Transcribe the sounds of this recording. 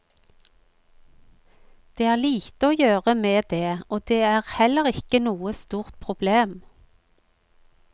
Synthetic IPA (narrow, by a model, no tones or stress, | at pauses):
d̪̥eːæːʁliːt̪əoːjøːʁəmeːd̪eːoːd̪eːæːʁhɛləʁɪkənuːəst̪uːʁt̪̚pʰʁʊbleːm